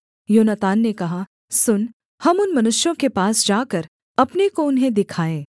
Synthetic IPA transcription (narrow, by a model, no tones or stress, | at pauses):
joːnət̪aːnːekɐɦa | sʊn | hɐmʊnmɐnʊʃjõkepaːsd͡ʒaːkɐɾ | ɐpnekoʊnɦẽd̪ɪkʰaːẽː